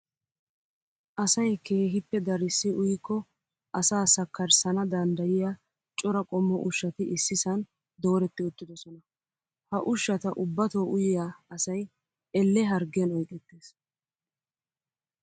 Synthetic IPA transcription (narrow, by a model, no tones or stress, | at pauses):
ʔɐsɐjkʰeːɦɪpːɛd̪ɐɾɪsːɪʔʊjkːɔ | ɐsaːsɐkːɐɾsɐnɐd̪ɐnd̪ɐjɪjaː | t͡ʃʼɔɾɐkʼɔmːɔʔʊʃːɐt̪ɪʔɪsːɪsɐn | d̪o̞ːɾɛt̪ːɪʊt̪ːɪd̪ɔsɔnɐ | hɐʔʊʃːɐt̪ɐʔʊbːɐt̪oːʔʊjɪjaɐsɐj | ɛlːɛɦɐɾɡɪjɐnɔjkʼɛt̪ːeːs